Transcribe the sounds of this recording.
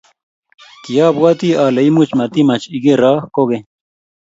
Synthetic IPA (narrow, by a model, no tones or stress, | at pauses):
t̪ijaːbwat̪iaːlɐimut͡ɕmɐt̪imɐt͡ɕiɡeɾaːhkoɡe